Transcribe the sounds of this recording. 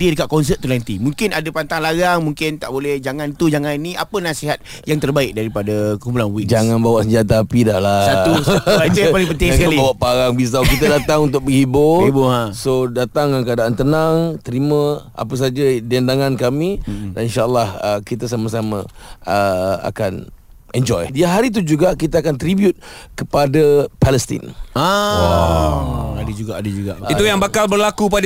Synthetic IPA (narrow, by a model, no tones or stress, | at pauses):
diədəkat̪̚kɔns̬ət̪̚ːulant̪imuŋkɪnadapant̪aŋlaɡaŋmuŋkɪnt̪a̰ʔbolɛhd͡ʒaŋãnt̪ud͡ʒaŋãnnĩʔa̰pənasiɦat̪̚ | jaŋt̪ərbaɪk̚daɾipadakəkumpulanwikd͡ʒaŋanbawaʔsəɲd͡ʒat̪̬aːpidahlassat̪uaat̪ujapalɪŋpənt̪ɪŋaŋkalibawaʔpaɾaŋbis̬awkit̪ədat̪aŋunt̪̬ʊk̚bəhibʊibʊasodat̪aŋjaŋkəadaʔant̪ənaŋt̪əɾimə̃a̰pəs̬ad͡ʒədɛndaŋãnkamĩdaninʃaʔəlːahəkit̪as̬amas̬amə̰̃əa̰kan | ɛɲd͡ʒɔjdiaɦaɾit̪̬ud͡ʒuɡaʔkit̪aakant̪ɾibjut̪̚kəpadapɛlɛst̪ḭna | adəd͡ʒuɡaʔadəd͡ʒuɡait̪ujaŋbakalbərlakupad